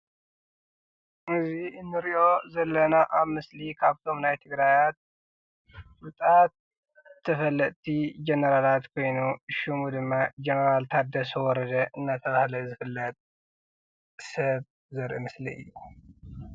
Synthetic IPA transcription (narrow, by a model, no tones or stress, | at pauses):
ʔɨziɨnːɨɾiʔo̞zɐlːɐnaʔaβmɨslikʰaβt̪ʰo̞mnajt̪ʰɨɡɾajat̪̚ | bɨt̪ʼat̪̚ʰː | ɐfɐlːɐt̪t̪ʰid͡ʒenɐɾalat̪kʰo̞jnuʃumud̪ɨmːad͡ʒenɐɾalt̪ʰat̪̚d̪ɐsɐwɔɾɐd̪ɐʔɨnːat̪ʰɐβahlɐzɨfɨlːɐt̪ʼ | sɐβ | zɐɾʔɨmɨsliʔɨ̰jːu